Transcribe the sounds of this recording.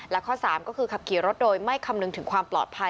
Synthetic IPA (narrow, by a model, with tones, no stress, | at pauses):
lɛ˦˥kʰɔː˥˩saː˩˦mkɔː˥˩kʰɯː˧kʰa˧p̚kʰiː˩˦ɾo˦˥t̪̚doː˧jma˥˩jkʰa˧mnɯ˨˧ŋt̪ʰɯ˩˦ŋkʰwaː˧mplɔ̰ː˨˩t̪̚pʰa˧